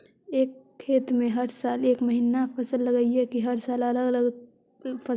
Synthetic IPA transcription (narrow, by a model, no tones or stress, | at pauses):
eːkʰːeːt̪mẽɦɐɾsaːleːkmɐɦiːnapʰɐsəlːɐɡəiɦɛkiɦɐɾsaːlɐləɡɐləɡ | pʰɐ